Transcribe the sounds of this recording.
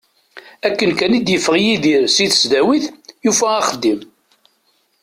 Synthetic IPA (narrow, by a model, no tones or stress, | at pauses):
ækːənkænid̪jəfːəʁjiðiɾsiðə̥sd̪æwiθjufæːχəd̪ːim